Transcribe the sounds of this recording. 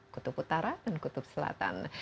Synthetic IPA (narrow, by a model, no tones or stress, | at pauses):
kut̪uput̪aɾadankut̪ʊp̚səla̰t̪a̰n